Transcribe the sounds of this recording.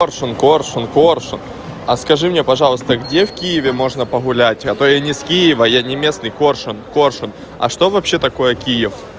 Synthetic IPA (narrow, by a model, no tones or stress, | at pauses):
orʂɨnko̞rʂɨnkorʂɨn | ɐskɐʐɨmnʲepɐʐɑlˠəst̪əɡdʲe̞fkʲijɪvʲɪmo̞ʐnəpəɣʊlʲætʲɐt̪ojanʲɪskʲijɪvəjanʲɪmʲe̞snɨjko̞rʂɨnkorʂɨn | ɐ̰ʂt̪o̞vɐpɕːe̞t̪ɐko̞jəkʲijɪf